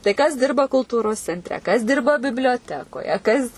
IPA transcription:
tɐɪ kɐs ˈdʲɪrbɐ kʊlˠˈtuːroːs t͡sʲɛnʲtʲˈrʲɛ kɐs ˈdʲɪrbɐ bʲɪbʲlʲoːˈtʲæːkoːjɛ ˈkɐs

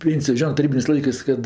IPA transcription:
ˈpʲeːnʲsʲɪjoː ˈʒʲoːnɜ tɐˈrʲiːbʲɪnʲeːsʲ ˈlˠɐɪkɜs ˈkɐt

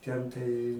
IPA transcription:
ˈtʲɛn tɐɪ

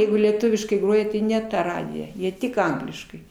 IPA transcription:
ˈjɛɪɡʊ lʲiɛˈtʊʋʲɪʃkɐɪ ˈɡroːjɛ tʲɪ nʲɛ ˈtɐ ˈrɑːdʲɪjɛ ˈjiɛ ˈtʲɪk ˈɐŋɡlʲɪʃkɐɪ

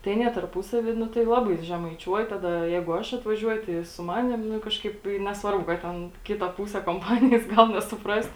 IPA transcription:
tɐɪ ɐˈnʲiɛ tɐrˈpuːsɐʋʲiː ˈnʊ tɐɪ ˈlˠɑːbɐɪ ʒʲɛmɐɪˈt͡ʃʲuɔj ˈtɑːdɐ ˈjɛɪɡʊ ˈɐʃ ɐtʋɐˈʒʲuɔjʊ tɐɪ ɪ sʊ ˈmɑːnʲɪm ˈnʊ ˈkɑːʃkɐɪp ɪ nʲɛsˈʋɐrbʊ ˈkɐt tʲɛn ˈkʲɪtɐ ˈpuːsʲɛ koːmˈpɑːnʲɪjɛs ˈɡɐlˠ nʲɛsʊˈprɐst

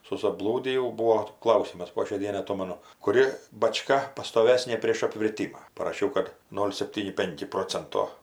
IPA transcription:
sʊsɐˈblˠuːdʲɪjɛʊ ˈbuːoː ˈklˠɐʊsʲɪmɐs poː ʃʲɛɪ ˈdʲiɛnɐɪ ɐˈtoːmɐnʊ kʊˈrʲɪ bɐˈt͡ʃkɐ pɐstoːˈʋʲæːsʲnʲeː pʲrʲeːʃ ɐpʲʋʲɪrʲˈtʲiːmɐ pɐrɐˈʃʲɛʊ kɐt ˈnoːlʲ sʲɛpʲˈtʲiːnʲɪ ˈpʲɛŋʲkʲɪ ˈproːt͡sʲɛntoː

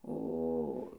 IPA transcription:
oː

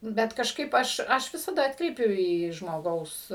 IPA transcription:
ˈbʲɛt kɐʃˈkɐɪp ˈɐʃ ˈɐʃ ˈʋʲɪsɐdɐ ˈɑːtkrʲɛɪpʲʊ iː ʒmoːˈɡɐʊs

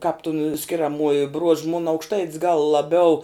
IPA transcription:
kɑːp tʊn sʲkʲɪrʲɛˈmuɔjɪ bruɔʃ mʊn ɐʊkʃˈtɐɪtʲs ɡɐlˠ lˠɐˈbʲɛʊ

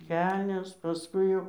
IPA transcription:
ˈkʲɛlʲnʲɛs pɐˈskʊɪ jɛʊ

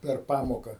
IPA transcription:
pʲɛr ˈpɑːmoːkɐ

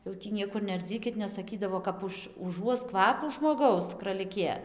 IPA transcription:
jɛʊ tʲiː ˈnʲiɛkʊr nʲɛɐrʲˈd͡zʲiːkʲɪt nʲɛs sɐˈkʲiːdɐʋoː kɐp ˈʊʃ ʊˈʒuɔs ˈkʋɑːpuː ʒmoːˈɡɐʊs krɐlʲɪˈkʲeː

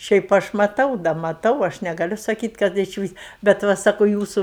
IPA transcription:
ˈʃʲɛɪp ˈɐʃ mɐˈtɐʊ dɐ mɐˈtɐʊ ˈɐʃ nʲɛɡɐˈlʲʊ sɐˈkʲiːtʲ kɐt ɪʃʲˈʋʲɪs bʲɛt ˈʋɐ ˈsɑːkʊ ˈjuːsuː

